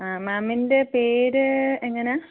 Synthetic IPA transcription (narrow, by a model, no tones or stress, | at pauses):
aːmaːminde̞peːɾɨeŋːɐnea